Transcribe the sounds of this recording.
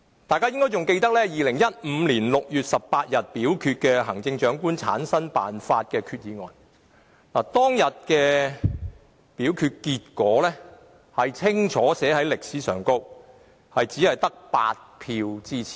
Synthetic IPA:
t̪aː˨jkaː˥jɪ˥ŋkɔ˥jt͡sʊ˨ŋke˧jt̪ɐ˥k̚lɛː˥jiː˨lɪ˨˩ŋjɐ˥t̚m̩˨˧liː˨˩nlʊ˨k̚jyː˨t̚sɐ˨pːaː˧t̚jɐ˨t̚piː˨˥wkʰyː˧t̚kɛː˧ɦɐ˨˩ŋt͡sɪ˧ŋt͡ʃœː˨˥ŋkuː˥nt͡sʰa̰ː˨˥nsɐ˥npa̰ː˨nfaː˧t̚kɛː˧kʰyː˧t̚jiː˨ŋɔː˨n | laː˨˩t̪ɔː˥ŋjɐ˨t̚kɛː˧ | piː˨˥wkʰyː˧t̚kiː˧t̚kɔː˨˥lɛː˥ | hɐ˨jt͡sʰɪ˥ŋt͡ʃʰɔː˨˥sɛː˨˥hɐ˨˥jlɪ˨k̚siː˨˥sœ̰ː˨˩ŋko˥w | hɐ˨jt͡siː˨˥hɐ˨jt̪ɐ˥k̚pa̰ː˧t̚pʰiː˧wt͡siː˥t͡sʰi̥˨˩

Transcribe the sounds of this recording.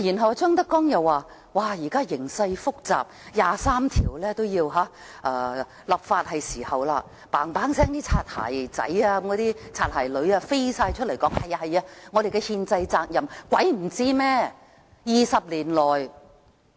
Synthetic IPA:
ji˨˩nɦɐ˨waː˧t͡ʃœː˥ŋt̪ɐ˥kːɔː˥ŋjɐ˨wːaː˨˧ | waː˨˩jiː˨˩kaː˥jɪ˨˩ŋsɐ˧jfʊ˥k̚t͡saː˨p̚jaː˨saː˥mt̪ʰiː˨˩wlɛː˥t̪o˥wjiː˧wɦaː˨˥ | ʔɐː˧ | lɐ˨˩p̚faː˧t̚hɐ˨jsiː˨˩hɐ˨wlaː˧ | paː˨ŋpaː˨˥ŋsɛː˥ŋt̪iː˥t͡sʰaː˧t̚ha̰ː˨˩jt͡sɐ̰˨˥jaː˧˦mkɔː˨˥t̪iː˥t͡sʰaː˧t̚haː˨˩jlɵ˨˧˥ɥaː˧fe˥jsaː˧jt͡ʃʰɵ˥t̚lɐ˨˩jkɔː˨˥ŋhɐ˨jhɐ˨jaː˧ŋɔː˨˧d̪e˨jkɛ˧hiː˧nt͡sɐ˧jt͡saː˧k̚jɐ˨mkʷwɐ˨˥jm̩˨˩t͡siː˥mɛː˥ | jiː˨˧sɐ˨p̚liː˨˩nlɔː˨˩j

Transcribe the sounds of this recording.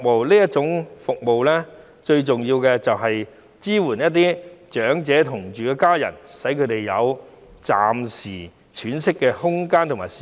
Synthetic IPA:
mo˨wliː˥jɐ˥t̚t͡ʃʊ˨˥ŋfʊ˨k̚mo˨wlɛ˥ | t͡ʃɵ˧ɥt͡sʊ˨ŋji˧wkɛː˧t͡sɐ˨wɦɐ˨j | t͡siː˥wuː˨˩njɐ˥t̚t̪̬iː˥t͡ʃœː˨˥ŋt͡sɛː˨˥t̪ʰʊ˨˩ŋt͡ʃyː˨kɛ˧kaː˥jɐ̰˨˩nsɐ˨˥jkʰɵ˨˧t̪e˨jjɐ̰˨˧w | t͡sa̰ː˨msiː˨˩ | t͡ʃʰyː˨˥nsɪ˥kːɛː˧hʊ˥ŋkaː˥nt̪ʰʊ˨˩maː˨˩ji˨

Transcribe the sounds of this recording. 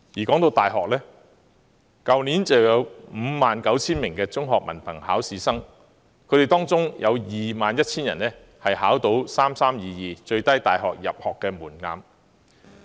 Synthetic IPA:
jiː˨˩kɔː˨˥ŋt̪o˧wt̪aː˨jɦɔː˨k̚lɛː˥ | kɐ˨wniː˨˥nt͡sɐ˨wwjɐ˨˧wm̩ː˨˧maː˨nkɐ˨˥wt͡sʰiː˥nmɪ˨˩ŋkɛː˧t͡sʊ˥ŋɦɔː˨k̚mɐ̰˨˩npʰɐ˨˩ŋhaː˨˥wsiː˨˧sɐ˥ŋ | kʰɵ˨˧te˨˩t̪ɔː˥ŋt͡sʊ˥ŋjʔɐ̰˨˧wjiː˨maː˨njɐ˥t̚t͡sʰiː˥njɐ̰˨˩nlɛː˥ | hɐ˨jhaː˨˥wt̪o˨˥wsaː˥msaː˥mjiː˨˧jiː˨t͡ʃɵ˧ɥt̪ɐ˥jt̪a̰ː˨jɦɔ̰ː˨k̚jɐ̰˨p̚hɔː˨kːɛː˧muː˨˩nŋa̰ː˨m

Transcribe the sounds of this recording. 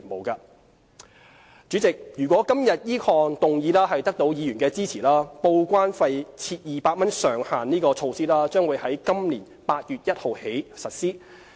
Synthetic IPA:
mo˨wkɐː˧ | t͡ʃyː˨˥t͡sɪ˨k̚jyː˨˩kʷwɔː˨˥kɐ˥mjɐ˨t̚jiː˥kʰɔː˧ŋt̪ʊ˨ŋjiː˨˧laː˥ɦɐ˨jt̪ɐ˥k̚t̪o˨˥wjiː˨˧jyː˨˩nkɛː˧t͡siː˥t͡sʰiː˨˩laː˥po˧wkʷaː˥nfɐ˧jt͡sʰiː˧t̚jiː˨paː˧t̚mɐ˥nsœː˨˩ŋhaː˨˩nniː˥kɔː˧t͡sʰo˧wsiː˥laː˥t͡ʃœː˥ŋwuː˨˧jhɐ˨˥jkɐ˥mliː˨˩n | paː˧t̚jyː˨t̚jɐ˥t̚ho˨whe˨˥jsɐ˨t̚siː˥

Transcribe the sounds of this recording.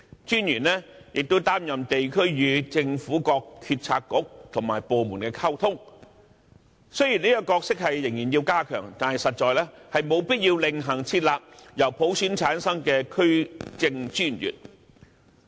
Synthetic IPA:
t͡ʃyː˥njyː˨˩nlɛː˥jɪ˨k̚t̪o˥wt̪aː˥mjɐ˨mt̪e˨jkʰɵ˥ɥjyː˨˧t͡sɪ˧ŋfuː˨˥kɔː˧k̚k̪ʰyː˧t̚t͡sʰaː˧kːʊ˨˥k̚t̪ʰʊ˨˩ŋmaː˨˩jpoː˨muː˨˩nkɛː˧kʰaː˥wt̪ʰʊ˥ŋ | sɵ˥ɥjiː˨˩niː˥ɐ˧kɔː˧k̚sɪ˥k̚hɐ˨jːɪ˨˩ŋjiː˨˩njiː˧wkaː˥kʰœ̰ː˨˩ŋt̪aː˨nhɐ˨jsɐ˨t̚t͡ʃɔː˨˧jlɛː˥hɐ˨jmo˨˧wpiː˥t̚jiː˧wlɪ˨ŋɦɐ˨˩ŋt͡sʰiː˧t̚laː˨p̚jɐ˨˩wpʰo˨˥wsyː˨˥nt͡sʰaː˨˥nsɐ˥ŋkɛː˧kʰɵ˥ɥt͡sɪ˧ŋt͡ʃyː˥njy̰ː˨˩t̚

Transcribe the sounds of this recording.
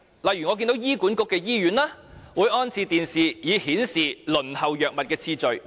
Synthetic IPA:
lɐ˨jɥy˨˩ŋɔː˨˧kiː˧nt̪wjiː˥kuː˨˥nkʊ˧kːɛː˧jiː˥jyː˨˥nlaː˥wuː˨˧˥jɔː˥nt͡sʰiː˧t̪iː˨nsiː˨jiː˨˧hiː˨˥nsiː˨˩lɵ˨˩nhɐ˨wjœː˨k̚mɐ˨t̚kɛː˧t͡sʰiː˧t͡sɵ˨ɥ

